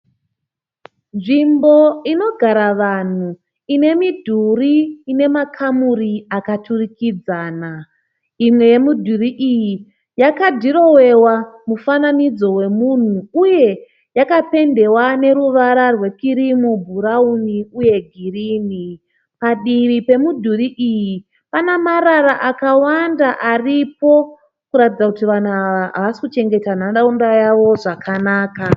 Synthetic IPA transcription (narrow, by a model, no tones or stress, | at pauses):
nʐimbo̞ino̞ɡʱaɾaʋan̤u | ine̞midʱuriːne̞makʰamuriakatʰurikid͡zaːna | imwe̞je̞mudʱuriʔiji | jakadʱiɾo̞we̞wamufananid͡zo̞we̞mun̤uuje̞ | jakape̞nde̞wane̞ɾuʋaɾarwe̞kiɾimubʱuɾauniuje̞ɡʱiriːni | paɗiʋipe̞mudʱuriʔiji | panamaɾaɾaʔakawandaʔaripo̞ | kuɾatid͡zakutiʋan̤uaaɦa̰ʋasi̥kut͡ʃe̞ŋɡe̞tanaɗaundajaʋo̞ʐakʰanaːka